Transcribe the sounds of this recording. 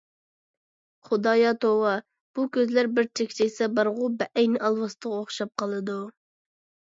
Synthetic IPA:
χʊd̪ɑːjɑt̪owɑ | b̥ukʲʰøzlæɾbɪɾt͡ʃʰekʲt͡ʃʰejʲsɛbɑɾʁʊbɛʔɛjnɪʔɑlˠwɑst̪ʰəʁɑoχʃɑp̚qʰɑlˠɨd̪u

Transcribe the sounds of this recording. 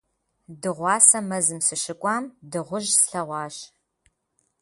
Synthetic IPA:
dɨʁʷɑːsɐmɐzɨmsɨʃɪkʷʼɑːmdɨʁʷʊʒsɬɐʁʷɑːɕ

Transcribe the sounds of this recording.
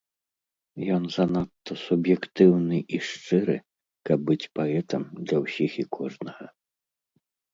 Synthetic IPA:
jɔnzɐnat̪ːɐsubjɛkt̪ɨwnɨʔiʂt͡ʂɨɾɨ̰ | kɐb̚ːɨt͡sʲpaɛt̪ɐmd̪lʲɐwsʲixikʰɔʐnɐɣɐ

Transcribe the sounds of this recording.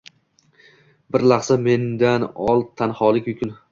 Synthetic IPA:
bɪɾlaχsame̞nd̪anɒlˠt̪ʰanhɒlˠɪkʲjʊkʲʰʊn

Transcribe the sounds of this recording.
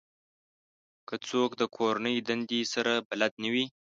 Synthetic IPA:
kət͡sokd̪əkʰoɾanəjd̪and̪esaɾabalad̪nawi

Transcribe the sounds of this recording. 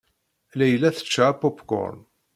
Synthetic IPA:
læjəlːæθə̥t͡ʃːaʕapːopkɔ̰ɾ

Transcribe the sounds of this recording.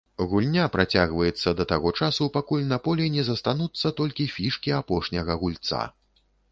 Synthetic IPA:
ɣulʲnʲapɾʔat͡sʲaɣvɐjɛt̪sːɐd̪ɐt̪aɣɔt͡ʂasupakulʲnɐpɔlʲinʲɛzɐst̪anut̪sːɐt̪ɔlʲkʲifʲiʂkʲiapɔʂnʲɐɣɐɣulʲt̪sa̰

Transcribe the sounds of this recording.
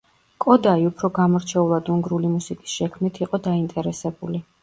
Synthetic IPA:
kʼɔd̪aiupʰɾɔɡamɔɾt͡ʃʰɛulˠad̪uŋɡɾulimusikʼi̥sʃɛkʰmnit̪ʰiqʼɔd̪aint̪ʼɛɾɛsɛbuli

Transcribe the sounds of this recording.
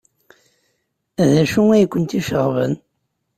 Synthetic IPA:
ðæʃuŋæjkʷːənt̪iʃəʁvə̰n

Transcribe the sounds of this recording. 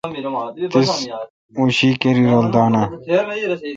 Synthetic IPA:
t̪is | uːɕiːkeɾiːɾoːld̪aːnaː

